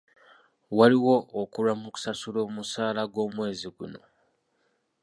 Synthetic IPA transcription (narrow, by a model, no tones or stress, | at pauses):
waliwo̞ːkulamuku̥sasulo̞ːmusaːlaɡwo̞ːmwe̞ːziɡṵno̞̰